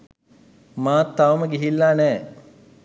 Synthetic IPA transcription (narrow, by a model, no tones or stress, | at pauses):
maːt̪ːaʋməɡiɦilːanɛː